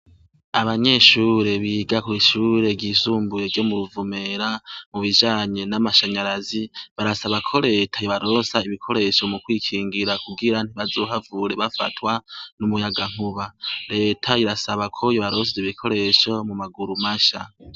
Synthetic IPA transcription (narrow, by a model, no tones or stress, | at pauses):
aβaɲe̞ʃuːɾe̞βiːɡakuiʃuːɾe̞ɟiːsuːmbuje̞ɾɟo̞muɾuvume̞ɾamuβid͡ʒaːɲe̞namaʃaɲaɾaziβaɾasaβakʰo̞ɾe̞ːtʰajoβaɾo̞ːsaiβikʰo̞ɾe̞ʃo̞mukwiːkʰiːŋɡiɾakuɡiɾan̥iβazoːɦavuɾe̞βafa̰twanumujaɡaŋ̥huβaɾe̞ːtʰaiɾasaβakʰo̞joβaɾo̞s̬ziβikʰo̞ɾe̞ʃo̞mumaɡuɾumaʃa